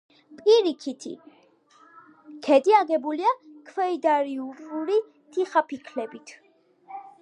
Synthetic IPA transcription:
pʼiɾikʰit̪ʰḭ | kʰɛd̪iaɡɛbuliakʰwɛid̪aɾiupʼuɾi | t̪ʰiχapʰikʰlɛbit̪ʰ

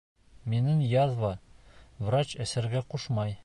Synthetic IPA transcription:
minɘŋjɑðvɑvrat͡ɕæsæɾɡæquʃmɑj

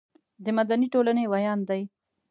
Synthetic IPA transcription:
d̪əmad̪aniʈolanewajɑnd̪d̪aj

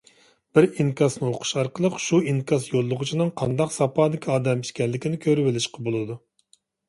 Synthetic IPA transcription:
b̥ɪɾiŋkɑsnɨoqʰʊ̥ʃɑɾqəlˠəqʃuiŋkɑsjolˠːʊʁʊt͡ʃʰinɨŋqʰɑnd̪ɑqsɑpʰɑːd̪ɪkʲʰiɑːd̪ɛmiʃkʲɛnlːɪkʲinɪkʲʰøɾɪbɪlɪʃqɑbolˠɨd̪u

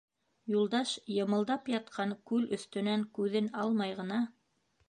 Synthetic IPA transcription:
julˠd̪ɑʃjɤ̆mɤ̆lˠd̪ɑpjɑt̪̚qʰɑŋkʉlɵ̆θt̪ɵ̆næŋkʉðɘnɑlˠmɑjʁɤ̆nɑ

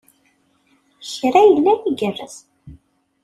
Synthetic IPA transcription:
çɾæjəlːæniɡərːə̰s

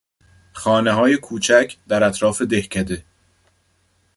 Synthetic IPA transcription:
xɒːneɦɒːje̞kʰuːt͡ʃʰæcʰd̪̥æɾæt̪ɾɒːfed̪e̞hcʰæd̪e

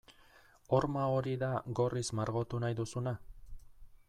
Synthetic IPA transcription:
o̞ɾmao̞ɾiðaɡo̞rizmaɾɣo̞t̪unajðusuna

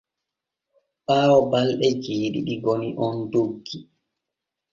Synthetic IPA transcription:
ɓaːwɔbalɗɛd͡ʒeːɗḭɗiɡɔniʔɔndoɡːi

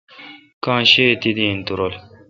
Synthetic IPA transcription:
kãːɕet̪id̪ĩːnt̪uɾol

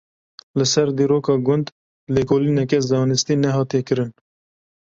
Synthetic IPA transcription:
lɨsɛɾd̪iːɾoːkɑːɡʊnd̪ | lekʰoːliːnɛkɛzɑːnɨst̪iːnɛɦɑːt̪ekɨɾɨn

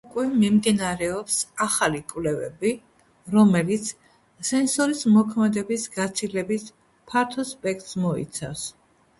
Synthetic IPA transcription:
ukʼwɛmimd̪inaɾɛɔpsaχalikʼwvlɛvɛ̰bi | ɾɔmɛlit̪sʰ | sɛnsɔɾismɔkʰmɛd̪ɛbisɡat̪sʰilɛbis | pʰaɾt̪ʰɔspʼɛk̚ʰt̪ʼsmɔḭt̪sʰa̰fs

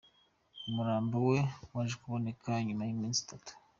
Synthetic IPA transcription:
umuɾaːmbowe̞waʒekuβo̞ne̞kaɲumajimĩːnsi̥tatu̥

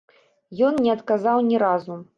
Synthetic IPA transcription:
jɔnnʲɛɐt̪kazawnʲɛɾazu

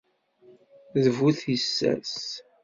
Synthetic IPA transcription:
ðəvuθisːæ̰s

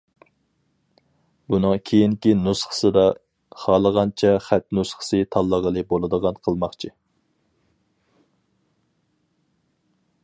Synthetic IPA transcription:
bunɨŋkʲʰejiŋkʲinusχə̥sɨd̪ɑ | χɑːlˠəʁɑnt͡ʃʰɛχæt̪̚nusχə̥sɨt̪ʰɑlˠːəʁəlˠɨbolˠɨd̪əʁɑnqʰəlˠmɑχt͡ʃʰi

